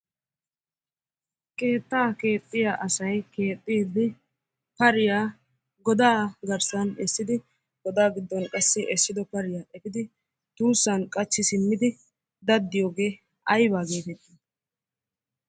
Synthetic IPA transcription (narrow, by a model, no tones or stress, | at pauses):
ke̞ːt̪ːaːke̞ːt̪ʼːɪjaʔɐsɐjke̞ːt̪ʼːiːd̪ɪ | pɐɾɪjaː | ɡɔd̪aːɡɐɾsɐnɛsːɪd̪ɪ | ɡ̥ɔd̪aːɡɪd̪ːɔnkʼɐsːɪʔɛsːɪd̪ɔpɐɾɪjaːʔɛpɪd̪ɪ | t̪uːsːɐnkʼɐt͡ʃːɪsɪmːɪd̪ɪ | d̪ɐd̪ːɪjo̞ːɡe̞ː | ɐjbaːɡeːt̪ɛt̪ʼːi